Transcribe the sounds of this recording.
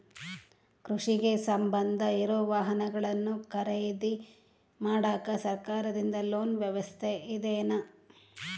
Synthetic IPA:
kɾuʂiɡe̞sɐmbɐnd̪ʱɐiɾoːʋaːɦɐnɐɡɐɭɐnːukɐɾejd̪i | maːɽaːkɐsɐɾkaːɾɐd̪ind̪ɐloːnʋjɐʋɐst̪ʰeʔid̪eːnɐ

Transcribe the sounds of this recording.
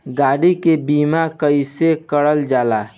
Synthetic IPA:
ɡaɽikebimakəɪsekəɽəld͡ʒaːla

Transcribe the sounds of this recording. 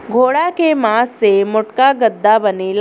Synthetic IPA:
ɡʱoːɽakemaːsːemʊʈkaɡəd̪ːabənel

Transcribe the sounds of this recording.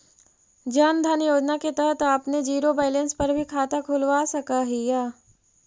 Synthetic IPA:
d͡ʒaːnd̪ʱanjoːd͡ʒnaket̪ɐɾət̪aːpned͡ʒiːɾobaːɪlẽnspɐɾbʱikʰaːt̪akʰʊlʋasɐkaɦijaː

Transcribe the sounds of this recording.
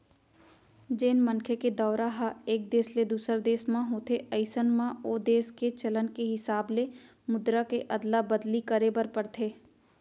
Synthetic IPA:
d͡ʒeːnmənkʰeked̪ɔːɾaɦaeːk̚d̪eːsled̪uːsəɾd̪eːsmãɦoːt̪ʰeʔəɪsənmãoːd̪eːsket͡ʃɐlənkeɦɪsaːble | mʊd̪ɾakeʔɐd̪labəd̪likəɾebəɾpəɽt̪ʰeː

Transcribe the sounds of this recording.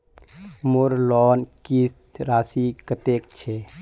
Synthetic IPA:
moɾlɔːnkist̪ɾaːsikət̪ek̚t͡ʃʰe

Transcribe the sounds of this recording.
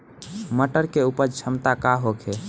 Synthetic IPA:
məʈəɾkeupəɾt͡ʃʰəmt̪akaɦokʰe

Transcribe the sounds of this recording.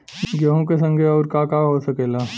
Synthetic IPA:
ɡjəɦõk̬esə̃ŋɡʱeɔːɾkakaɦosəkeːlaː

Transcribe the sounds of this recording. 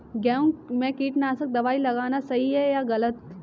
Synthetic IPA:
ɡaːũmẽkiːʈnaːsək̚d̪ɐʋaːilɐɡaːnasɐɦiɦɛjaɣɐlət̪̚

